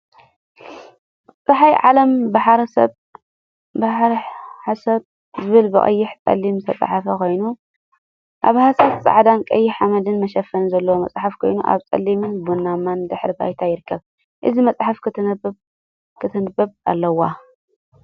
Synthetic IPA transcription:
t͡sʼɨħajʕalɐmbaħɾɐsɐ̰t | baħɾħasɐt | zɨβɨlbɨχʼɐ̰jːɪħt̪ʼɐ̰lːimsʰɐt͡sʼħafɐkʰo̞jnu | ʔa̰βhasɐt̪t͡sʼa̰ʕd̪ankʼɐjːɪħamɐd̪ɨnmɐʃɐfːɐnzɐlːɐwomɐ̰sʼħafkʰo̞jnuʔa̰βt͡sʼɐ̰lːimɨnbunːamːand̪ɨħɾiba̰jt̪ʰajɪɾɨkːɐβ | ʔɨzimɐt͡sʼħafkʰɨɨ | kʰɨt̪ʰɐnɨbɐβa̰lːɐwːa

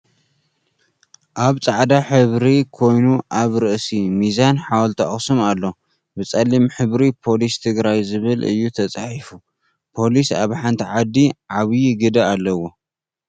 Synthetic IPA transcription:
ʔaβt͡sʼaʕd̪aħɨβɾikʰo̞jnuʔaβɾɨʔsimizanħawɐlt̪ʰɐ̰χʼsumalːo̞ | bɨt͡sʼɐlːimħɨβɾipʰo̞list̪ʰɨɡɾajzɨβɨlɨ̰jːut̪ʰɐt͡sʼaħifu | pʰo̞lisa̰βħant̪ʰiʕad̪ːiʕaβjiɡɨd̪ɐalːɐwːo̞

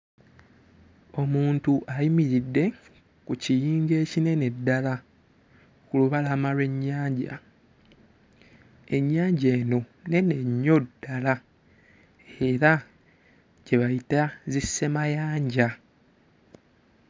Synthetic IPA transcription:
o̞muːntuʔajimiɾidːe̞ | kucijiːŋɡe̞ːcine̞ne̞dːala | kuluβalaːmalwe̞ɲːaːɲɟa̰ | e̞ɲːaːɲɟe̞ːno̞ | ne̞ne̞ɲːo̞dːala | e̞ɾa | ɟe̞βajitazisːe̞majaːɲɟa

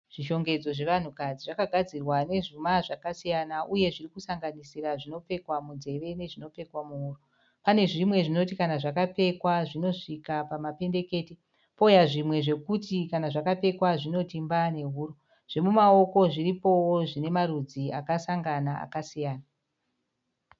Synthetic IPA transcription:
ʐ̥iʃo̞ŋɡe̞d͡zo̞ʐe̞ʋan̤ukad͡ziʐakaɡʱad͡zirwane̞ʐumaʐakasijanaʔuje̞ʐirikusaŋɡanisiraʐino̞pe̞kwamunze̞ʋe̞ne̞ʐino̞pe̞kwamuɦuːro | pane̞ʐimwe̞ʐino̞tikanaʐakape̞kwaʐino̞ʂikapamape̞nde̞ke̞ti | pojaʐimwe̞ʐe̞kutikanaʐakape̞kwaʐino̞timbane̞ɦuːɾo | ʐ̥e̞mumao̞ko̞ʐiripo̞woʐine̞marud͡zia̰kasaŋɡanaa̰kasijaːna

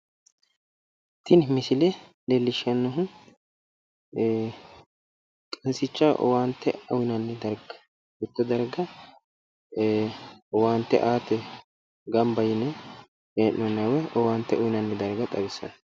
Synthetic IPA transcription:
t̪ːɪnmɪsɪlɛlelːɪʃɐnːɔɦʊn | kʼɐnsɪt͡ʃːaʔɔ̰waːnt̪ːɛ̰ʊwɪnɐnːɪd̪ɐɾɡɐ | bɪt̪ːɔd̪ɐɾɡɐ | waːnt̪ːɛ̰ʔaːt̪ɛ | ɡɐmbɐjɪnɛ | eːʔnɔnːɐwɛɔwaːnt̪ːɛʔʊjɪnɐnːɪd̪ɐɾɡɐt̪ʼɐbɪsːɐ̰n

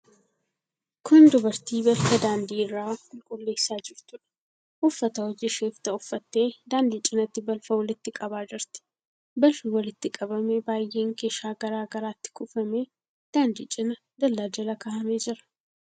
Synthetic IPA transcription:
kʊnd̪ʊbɐɾt̪iːbɐlfɐd̪aːnd̪iːrːaːkʼʊlkʼʊlːe̞ːsːaːd͡ʒɪft̪ʊᶑɐ̥ | ʔʊfːɐt̪ɐwɔd͡ʒɪʃeːft̪ɐʊfːɐt̪ːe̞ːd̪aːnd̪it͡ʃʼɪnɐt̪ːɪbɐlfɐwɔlɪt̪ːɪkʼɐbaːd͡ʒɪɾt̪ɪ̥ | bɐlfɪwɐlɪt̪ːɪkʼɐbɐmebaːjːe̞ːŋke̞ːʃaːɡɐɾaːɡɐɾaːt̪ːɪ̥kʊfɐme̞ː | d̪̥aːnd̪ḭːt͡ʃʼɪnɐ | d̪ɐlːaːd͡ʒɐlɐkaːhɐmeːd͡ʒɪɾɐ̥

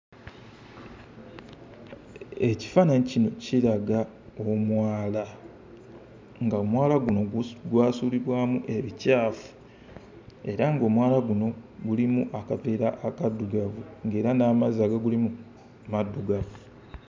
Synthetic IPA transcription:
e̞ci̥faːnaɲicino̞ciɾaɡa | omwaːla | ŋɡaomwaːlaɡuno̞ɡwaːsuːliβwaːmuʔe̞βicaːfu̥ | e̞ɾaŋɡo̞ːmwaːlaɡuno̞ɡulimuʔakate̞ːɾaʔːkadːuɡavuŋɡe̞ːɾanaːmazaːɡaɡulimu | madːuɡavu

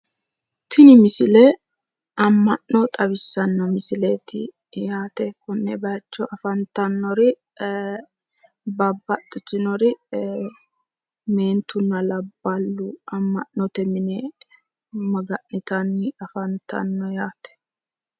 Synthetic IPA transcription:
t̪ʰɪnɪmɪsɪlɛ | ɐmːɐnːɔt̪ʼɐβɪsːɐnːɐmɪsɪlet̪ɪ̰ | jaːt̪ɛkʊnːɛbɐjɐt͡ʃːɔʔɐfɐnt̪ɐnːɔɾɪ | bɐbːɐt̪ʼːɪtɪnɔɾɪ | me̞ːnt̪ʊnːɐlɐbːɐlːʊɐmːɐnːɔt̪ɛmɪnɛ | mɐɡɐʔːɪt̪ɐnːɪɐfɐnt̪ɐ̰nːɔjaːt̪ɛ̥

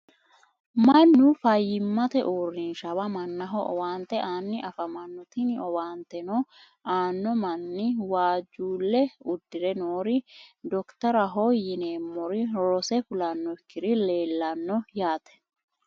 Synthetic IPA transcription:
mɐnːʊfɐjːɪmːɐt̪ɛʔuːrinʃɐbɐmɐnːɐɦɔʔɔwaːnt̪ɛʔaːnːɪʔɐfɐmɐnːʊt̪ɪnɪɔwaːnt̪ɛno | ʔaːnːɔmɐnːɪwaːd͡ʒuːlːɛʊd̪ːɪɾɛnoːɾɪd̪ɔkt̪ɐɾɐɦojːɪneːmːɔɾɪɾɔsɛfʊlɐnːɔɪkːɪɾɪle̞ːlːɐnːɔjaːt̪ɛ̥

